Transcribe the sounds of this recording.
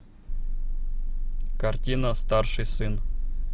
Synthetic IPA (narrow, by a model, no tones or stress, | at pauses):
kartʲinast̪ɑrʂɨjsɨn